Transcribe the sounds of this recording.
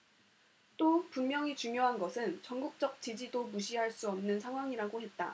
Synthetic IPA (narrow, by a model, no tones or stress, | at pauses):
t͈opunmjʌŋit͡ɕuŋjoɦanɡʌsʰɯnt͡ɕʌŋɡuk̚t͡ɕ͈ʌk̚t͡ɕid͡ʑidomuɕʰiɦaɭs͈uʌmnɯnsʰaŋɦwaŋiɾaɡoɦet̚t͈a̰